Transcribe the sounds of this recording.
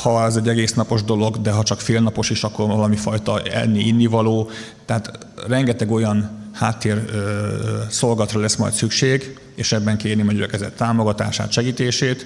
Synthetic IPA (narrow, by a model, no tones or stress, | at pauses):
hɒɛzɛɟːɛɡeːsnɒpo̞ʒd̪o̞lo̞ɡd̪ɛɦɒt͡ʃɒkfeːlnɒpo̞ʃiʃɒkːo̞rvɒlɒmifɒjt̪ɒɛ̰nːiinːivɒloː | t̪ɛɦaːt̪ | rɛŋɡɛt̪ɛɡo̞jɒnhaːt̪ːeːr | so̞lɡɒt̪rɒlɛsmɒ̰jt̪sykʃeːɡ | eːʃɛbːɛŋkeːrnimɒɟyɾɛkɛzɛ̰t̪ːaːmo̞ɡɒt̪a̰ːʃa̰ːt̪ʃɛɡiːt̪eːʃeːt̪